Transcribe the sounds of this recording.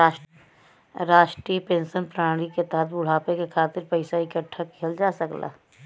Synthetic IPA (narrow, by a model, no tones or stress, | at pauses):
ɾaːʃʈɾipẽːnsənpɾaːɽ̃iket̪ɐɦət̪bʊɽ̤aːpekekʰaːt̪ɪɾpɐɪsaɪkəʈʰːakʰeld͡ʒaːsɐkla̰ː